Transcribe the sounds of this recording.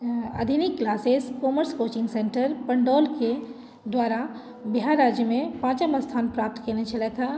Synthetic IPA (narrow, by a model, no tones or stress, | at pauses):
ə̰d̪ʱinikːlaːseskoməɾskot͡ʃɪ̃ŋɡseɳʈəɾpəɳɖɔːlke | d̪ʋaːɾa | biɦaɾaːd͡ʒjəmẽpãːt͡ʃəməst̪ʰaːnpɾaːp̚t̪kelet͡ʃʰəlɛk̪ʰa